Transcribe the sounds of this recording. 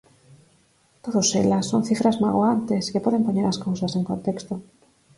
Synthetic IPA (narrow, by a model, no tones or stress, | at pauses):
t̪oðosḛlasːoŋ̟θifɾazmaɣwant̪eskepoðempoɲeɾaskowsaseŋkõnt̪ekst̪o